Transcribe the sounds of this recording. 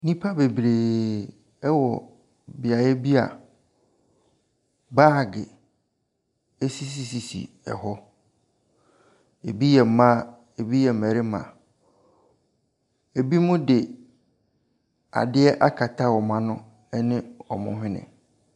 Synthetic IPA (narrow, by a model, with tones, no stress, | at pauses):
nĩ˦pʰa˦be˨bɾeː˨ | ɛ˦wɔ˨ | bɪ˨a˨jɛ˦bi˦a̰˨ | baː˦˨ɡɪ˨ | e˦si˦s̬i˨si˨sḭ˨ | ɛ̰˨hɔ˦ | e˨bi˦jɛ˨˦mã˦ | e˨bi˦jɛ˨mɛ˨ɾɪ˦mã̰˨ | e˨bi˦mʊ̃˦dɪ˨ | a̰˨dɪ˦ɛ˦ʔa˦kʰa˨tʰa˦wɔ˨mã˦nʊ̃˦ | ɛ˦nɪ̃˦ɔ˨mʊ̰̃˨ɦɪ̃˦nɪ̰̃˨